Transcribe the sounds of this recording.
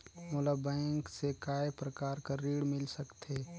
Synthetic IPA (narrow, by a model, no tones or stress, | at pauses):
mʊlabɛ̃ːŋksekaːepɾəkaːɾkaɾiːɽmɪlsəkt̪eː